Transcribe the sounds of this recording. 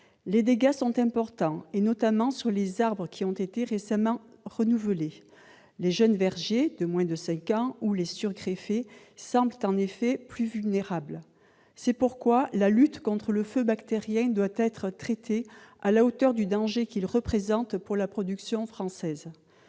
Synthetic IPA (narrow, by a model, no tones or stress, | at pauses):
led̪eɡasɔ̃t̪ɛ̃pɔʁt̪ɑ̃enɔt̪amɑ̃syʁlezaʁbʁəkʲʰiɔ̃t̪et̪eʁesamɑ̃ʁənuvəle | leʒœnvɛʁʒed̪əmwɛ̃d̪əsɛ̃kɑ̃ulesyʁɡʁefe | sɑ̃blət̪ɑ̃nefɛplyvylneʁabl | sɛpuʁkwalalyt̪kɔ̃t̪χələføbakt̪eʁjɛ̃d̪wat̪ɛt̪χət̪χet̪ʰealaot̪œʁd̪yd̪ɑ̃ʒekilʁəpχezɑ̃t̪puʁlapχɔd̪yksjɔ̃fχɑ̃sɛz